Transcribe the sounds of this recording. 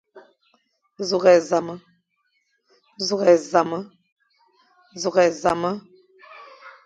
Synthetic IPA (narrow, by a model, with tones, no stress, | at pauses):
zu˨ɣɛ˨za˨mə˦ | zu˦˨ɣɛ˨za˨mə˦ | zu˨ɣɛ˨za˨mə˦